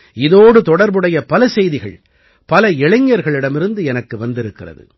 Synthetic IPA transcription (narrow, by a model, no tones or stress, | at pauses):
ɪðoːɽɯt̪ɔɽɐɾbɯɽɐjɐpɐlɐsɛjðɪɣɐɭ | pɐlɐɛɻɪɲːɐɾɣɐɭɪɽɐmɪɾɯnd̪ɯɛnɐkːɯʋɐnd̪ɪɾɯkːɪrɐ̰ðɯ̰